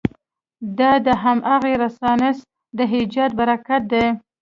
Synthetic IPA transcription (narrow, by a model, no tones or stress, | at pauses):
d̪ɑd̪əɦamʔaɣeɾasɑnɪs | d̪əɦɪd͡ʒɑd̪̚baɾakat̪̚d̪e